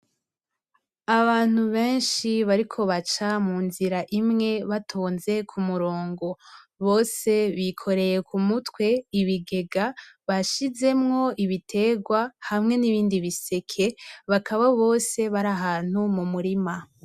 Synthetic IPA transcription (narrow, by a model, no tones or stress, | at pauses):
aβaːn̥huβe̞ːnʃiβaɾikʰo̞βat͡ʃamuːnziɾaʔimŋe̞βatʰoːnze̞kʰumuɾo̞ːŋɡo̞ | βo̞ːse̞βikʰo̞ɾe̞je̞kʰumutwe̞iβiɡe̞ɡaβaʃize̞mŋo̞iβitʰe̞ːɡwahamŋe̞niβiːndiβise̞kʰe̞βakaβaβo̞ːse̞βaɾaɦaːn̥humumuɾima